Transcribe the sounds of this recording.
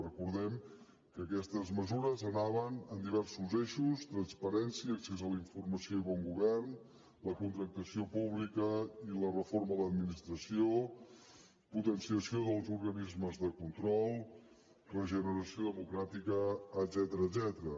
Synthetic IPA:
rəkuɾðɛm | kəːkɛst̪əzməzuɾəzənaβənənd̪iβ̞ɛrsuzeʃust̪ɾənspəɾɛnsiəksezələiɱfurməsioiβɔŋɡuβɛrn | ləkunt̪ɾək̚t̪əsiopuβlikəilərəforməðəd̪minist̪ɾəsio | put̪ənsiəsioðəlˠzuɾɣənizməzðəkunt̪ɾɔlˠ | rəʒənəɾəsioðəmukɾat̪ikəːd̪zɛt̪əɾəːd̪zɛt̪əɾə

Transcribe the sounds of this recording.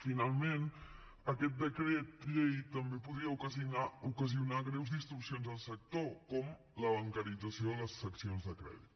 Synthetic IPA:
finalˠmen | əkɛt̪̚d̪əkɾet̪̚ʎejt̪əmbepuðɾiəukəziunaukəziunaɣɾɛwzðist̪ɾusionzðəlˠsək̚t̪okɔm | ləβ̞əŋkəɾid͡zəsioələsːəksionzðəkɾɛ̰ði

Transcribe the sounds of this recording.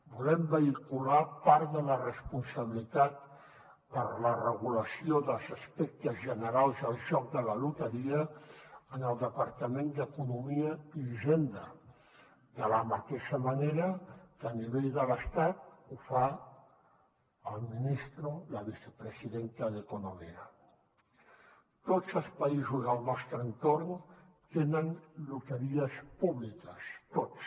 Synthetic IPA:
bulɛmbəikulapaɾðələrəspunsəβilit̪at̪ | pəɾlərəɣuləsioðəlˠzəspɛk̚t̪əzʒənəɾalˠzəlˠʒɔk̚d̪ələlut̪əɾiəənəlˠd̪əpaɾt̪əmend̪əkunumiəiʒend̪ə | d̪ələmət̪eʃəməneɾəkaniβeʎd̪ələst̪at̪̚ufa | lminist̪ɾolaβise̥pɾesiðent̪aðekunomia | t̪ot͡salspaizuzalnɔst̪ɾent̪oɾn | t̪enənlut̪əɾiaspuβlikast̪ots

